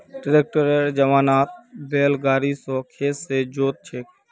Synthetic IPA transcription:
ʈɾeːk̚ʈəɾeːɾd͡ʒəmaːnaːt̪̚beːlɡaːɾisõːkʰeːssed͡ʒoːt̪̚t͡ʃʰeːk

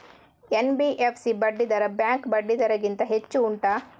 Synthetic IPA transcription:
enbiʔepʰsibɐɖːid̪ɐɾɐbjaːŋkbɐɖːid̪ɐɾɐɡint̪ɐɦet͡ʃːuːɳʈɐ

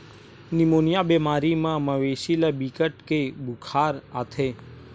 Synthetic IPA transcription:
nimoːnjabemaːɾimãməʋeːʃiləbikəʈkebʊkʰaːɾat̪ʰe

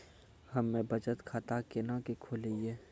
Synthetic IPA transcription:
hɐmːẽbʱɐt͡ʃət̪kʰaːt̪akenãkekʰoːliɛː

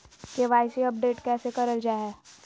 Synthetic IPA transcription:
keʋaːɪsiɐp̚ɖeːʈkɛːsekɐɾəld͡ʒaːɦɛː

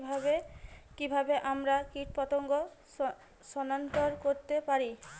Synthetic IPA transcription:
bʱabekibʱabeʔamɾakiʈ̚pɔt̪oŋɡo | ʃɔnant̪oɾkoɾt̪epaɾi

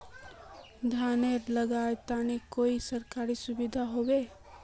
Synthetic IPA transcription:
d̪ʱaːneɾləɡaːet̪aːnikoːisɐɾkaːɾisʊbɪd̪ʱaɦoːweː

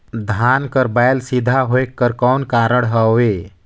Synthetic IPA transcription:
d̪ʱankəɾbaɪlsid̪ʱaɦoekːəɾkɔːnkaːɾəɽ̃ɦəe

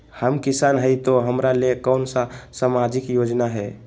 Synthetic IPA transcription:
həmkɪsaːnɦəit̪oɦəmɾalekɔːnsasamad͡ʒɪkjoːd͡ʒnaɦɛ

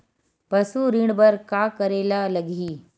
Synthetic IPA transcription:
pɐsuɾiːɳɽbəɾkaːkəɾeːlaləɡʱiː

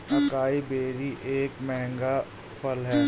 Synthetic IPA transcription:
ɐkaːibeːɾiʔeːkmɛɦɛ̃ŋɡa | pʰəlɦɛː

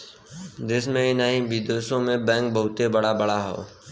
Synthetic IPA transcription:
d͡ʒ̪ɪsmẽɪnaːĩbid̪oːʃõmẽbɛ̃ːŋk̚bəɦʊt̪ebɐɽabɐɽaɦo̰ː

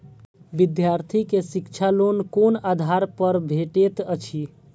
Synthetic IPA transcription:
bid̪jaɾt̪ʰikesikt͡ʃʰalonkonad̪ʱaɾpəɾbʱeʈet̪ət͡ʃʰi

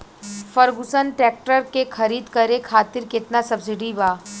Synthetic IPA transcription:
fəɾɡʊsənʈɾɛːk̚ʈəɾkekʰɐɾiːd̪kɐɾẽkʰaːt̪ɪɾkɪt̪nasɐbs̬ɪɖibaː

